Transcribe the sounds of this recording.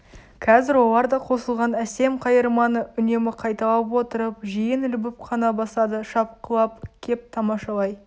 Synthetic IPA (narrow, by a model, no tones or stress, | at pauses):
kʰɑzɪɾwo̞lˠɑɾd̪ɑqʰo̞səlˠʁɑnæse̞mqʰɑjəɾmɑnəʏne̞mɪqʰɑjt̪ɑlˠəpwo̞t̪əɾəp̚ʒijɪnɪlbɪp̚qʰɑnɑbɑsɑd̪əʃɑp̚qəlˠɑp̚kʲʰe̞p̚t̪ʰɑmɑʃɑlˠɑj